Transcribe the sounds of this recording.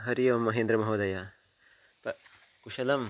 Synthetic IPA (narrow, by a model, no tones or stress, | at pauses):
ɦɐɾijɐmːɐɦĩnd̪ɾɐmɐɦoːd̪ɐja | pɐ | kuʃɐlɐm